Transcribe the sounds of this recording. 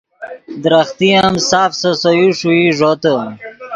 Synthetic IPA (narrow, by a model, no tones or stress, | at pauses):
d̪ɾaχt̪ijamsaːfsəsojuʂuiʐot̪ə